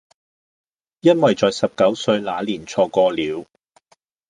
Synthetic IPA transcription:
jɐ˥nwɐ˨˩jt͡sɔː˨jsɐ˨p̚kɐ˨˥wsɵ˧ɥlaː˨˧liː˨˩nt͡sʰɔː˧kɔː˧liː˨˧w

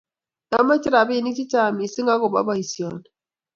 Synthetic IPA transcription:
a˨˦ma˦t͡ʃi˦ɾa˨bi˦˨ni˦t͡ʃi˦ta˦˨mi˨si˦ŋɡa˦ɡo˨ba̰˦ba˦i˨sjɔ˨˦n

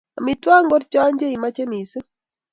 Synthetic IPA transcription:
a˨mi˨twa˦ŋɡɔ˦ɾt͡ʃɔ˦a˦ɲd͡ʒe˦i˨ma˦t͡ʃe˦mi˨si˦

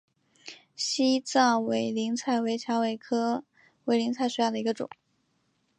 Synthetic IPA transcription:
ɕi˥t͡sɑ˥˩ŋwe˧˥ɪli˧˥ŋt͡sʰa˥˩ɪwe˧˥ɪt͡ɕʰjɑ˧˥ŋwe˧˥ɪkʰɤ˥ | we˧˥ɪli˧˥ŋt͡sʰa˥˩ɪʂu˧˥jɑ˥˩d̪ə˩i˧˥ɡə˧ʈ͡ʂʊ̰˨˩˦ŋ

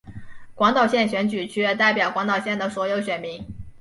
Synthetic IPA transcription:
kwɑ˧˥ŋt̪ɑ˨˩ʊɕjɛ˥˩nɕɥɛ˧˥nt͡ɕy˨˩t͡ɕʰy˧˥ɛ˥˧˩t̪a˥˩ɪpjɑ˨˩ʊkwɑ˧˥ŋt̪ɑ˨˩ʊɕjɛ˥˩nd̪ə˩swɔ˧˥jo˧˥ʊɕɥɛ˨˩nmi˧˥ŋ

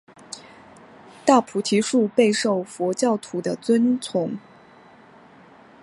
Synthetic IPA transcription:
t̪a˥˩pʰu˨˥t̪ʰi˧˥ʂu˥˧pe˥˧ɪʂo˥˩ʊfwɔ˧˥t͡ɕjɑ˥˩ʊt̪ʰu˨˩d̪ə˧˦t͡swə˥nt͡sʰʊ˧˥ŋ

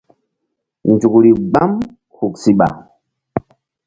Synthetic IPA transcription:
nd͡ʒu˨kɾi˨ɡ͡ba˦m | hu˨ksi˦ɓa̰˨

